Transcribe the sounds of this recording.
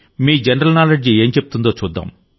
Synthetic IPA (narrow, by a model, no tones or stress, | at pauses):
miːd͡ʒɐnɐɾɐlnaːleɖd͡ʒieːɲt͡ʃeput̪und̪o̞ːt͡ʃuːd̪ːa̰ːm